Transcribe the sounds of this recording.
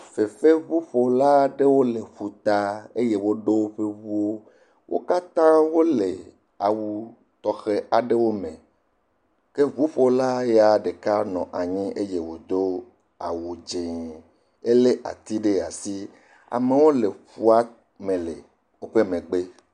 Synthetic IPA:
fe˨fe˦vu˦ɸo˨la˦ɖe˦wo˦le˨ɸu˨t̪a˦e˦je˦wo˦ɖo˦wo˦ɸe˦vu˦o˦ | wʔo̰˦ka˦t̪ã˦wo˦le˨ | a˨wu˨ | t̪ɔ˨xe˦a˨ɖe˦wo˦mẽ˨ | ke˦βu˦ɸo˨la˦je˦a˨ɖe˨ka˦nɔ̃˨ʔa˨ɲĩ˦ʔe˦je˦wo˨d̪o˦ | a˨wu˨d͡ʒe˨ | e˦le˦ʔa̰˨t̪i˦ɖe˦˨a˨si˦ | a̰˨me˨wo˦le˨ɸu˦a˦ | mẽ˨le˨ | wo˦ɸe˦mẽ˨ɡ͡be˦

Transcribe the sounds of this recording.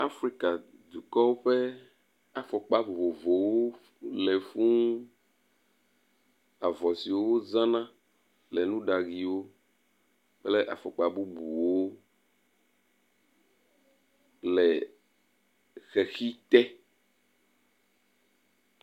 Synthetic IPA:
a˦fɾi˦ka˨ | d̪u˨kɔ˦wo˦ɸɛ˦ | a˨fɔ˨k͡pa˦vo˨vo˨vo˨wo˦ | le˨fũ˦ | a˨vɔ˨si˨wo˦wo˦zã˦nã˦ | lɛ˨nũ˦ɖa˨ɣi˨wo˦ | k͡ple˦ʔa̰˨fɔ˨k͡pa˨bu˦bu˨wo˦ | lɛ˨ | xe˨xi˦t̪ɛ˦

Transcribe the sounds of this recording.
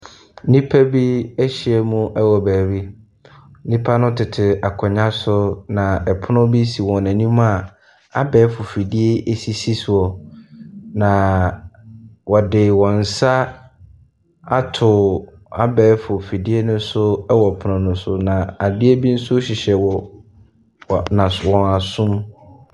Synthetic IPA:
nĩ˦pʰæ˦bi˦ɛ˦ɕɪ˨ɛ˨mũ˦ʔɛ˦wɔ˨bæː˨ɾi˦ | nĩ˦pʰa˦nʊ̃˦tʰɪ˨tʰɪ˨a˨kʰɔ˨ɲã˦sʊ˦nã˨ɛ˨pʰʊ˦nʊ̃˦bi˦si˨wɔ̃˨næ̃˨nĩ˦m̃˦a˨ | a˦bɛː˨˦fʊ˨fi˨di˦e˦ʔe˨si˦si˦sʊ˨ɔ˨ | nã˨ | wɔ˨dɪ˨wɔ̃˨n̩˨sa˦ | a˦tʰʊ˨ | a̰˨bɛː˨˦fʊ˨fi˨di˦e˦nʊ̃˦sʊ˦ɛ˦wɔ˨pʰʊ˨nʊ̃˨nʊ̃˨sʊ˨nã˨a˨dɪ˦e˦bi˦n̩˦sʊ˦ɕi˨ɕɛ˨wɔ˨ | nã˨wɔ̃˨na˨sʊ̃˦m

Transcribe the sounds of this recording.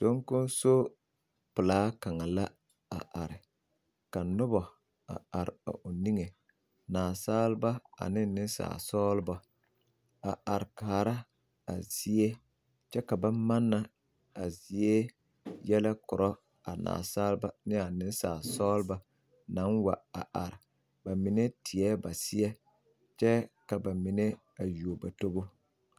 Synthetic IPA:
d̥o˨˦ŋkʊ˦n˦so˦ | pʊ˨laː˨˦ka˨ŋa˨la˦ | a̰˨ʔa˨ɾɪ˨ | ka˨nʊ˦bɔ˨ | a̰˨a˨ɾɪ̰˨a̰˨ʔʊ˨ni˦ŋe˨ | naː˨saː˦lba˦a̰˨nɪ˦nɪ˦n˦sa̰ː˨sɔː˦lba˦ | a˨a˨ɾɪ˨kaː˨ɾa˦ | a̰˨zi˦e˦ | t͡ʃɛ˦ka˨ba˦ma˦nːa˨ | a˨zi˦e˦ | jɛ˦la˦kʊ˨ɾɔ˦ | a̰˨na̰ː˨saː˦lba˦nɪ˦a˨nɪ˦n˦sa̰ː˨sɔː˦lba˦ | nã˨˦nwa˨a˨ʔa˨ɾɪ˨ | ba˨mi˨ne˦tʰɪ˨ɛ˦ba˨sɪ˦ɛ˦ | t͡ʃɛ˦ka˨ba˨mi˨ne˦ | a˨ju˨o˨ba˨to˦bo˦

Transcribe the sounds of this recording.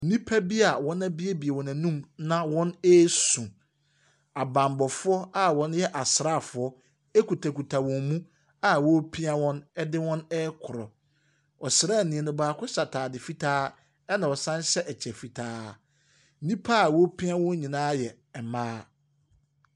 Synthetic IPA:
n̩˦nĩ˦pʰa˦bi˦a˨wɔ̃˦nã˦bi˦e˦bi˨e˨wɔ̃˨nã˨nũ˦mnã˦wɔ̃˦ne˦sũ˨ | a˨bã˨mbɔ˨fʊ˦ɔ˦a˦wɔ̃˦n˦jɛ˦ʔa˨sɾa˦˨fʊ˨ɔ˦ | e˦ku˨tʰa˨ku˨tʰa˨wɔ̃˨mmũ˦ | a˨wɔ˦pʰi˦a˦wɔ̃˦nɛ˦dɪ˦wɔ̃˦nɛ˦kʰʊ˨ɾɔ˨ | ɔ˨sɪ˨ɾa˦˨nĩ˨ɛ˨nʊ̃˦baː˨˦kʰʊ˦sa˨tʰaː˨dɪ˨fi˦tʰaː˦ | ɛ˦nã˨ɔ˨sã˦n˦ɕɛ˦ʔɛ˨t͡ɕʰɛ˨fi˨tʰaː˦ | n̩˦nĩ˦pʰa˦˨wɔ˦pʰĩ˦a˦wɔ̃˦n˦ɲĩ˨nãː˦jɛ˨ | ɛ˨maː˦

